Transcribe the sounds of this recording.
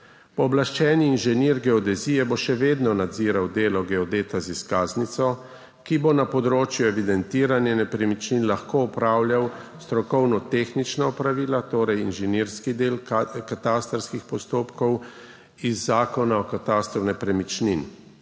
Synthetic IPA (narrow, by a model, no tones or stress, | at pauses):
pɔːblaʃt͡ʃɛːniːnʒɛniɾɡɛɔd̪ɛziːjɛboʃɛʋeːd̪nɔnad̪ziɾawd̪eːlɔɡɛɔd̪eːt̪aziskaːznit̪sɔ | kibonapɔd̪ɾoːt͡ʃjuɛʋid̪ɛnt̪iːɾanjɛnɛpɾɛmit͡ʃninlaxkoɔpɾaːwljawst̪ɾɔkɔwnɔt̪eːxnit͡ʃnaɔpɾaʋiːlat̪oːɾɛjinʒɛniɾskid̪eːlkat̪aːst̪ɾskixpɔst̪oːpkɔw | izːaːkɔnaɔkat̪ast̪ɾɔnɛpɾɛmit͡ʃnin